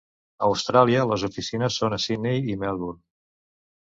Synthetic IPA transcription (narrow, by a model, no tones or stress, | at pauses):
əwst̪ɾalˠiələzufisinəsːonəsinejimɛlˠβuɾ